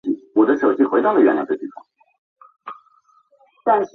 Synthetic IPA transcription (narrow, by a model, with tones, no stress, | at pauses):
i˥˩wɔ˨˩d̪ə˦ʂo˨˩ʊt͡ɕi˥˩xwe˧˥ɪt̪ɑ˥˩d̪ə˩ɥɛ̰˨˩njɑ˥ə˥˧˩t̪i˥˩ɑ̰˥˩ | t̪a˥˧nʂ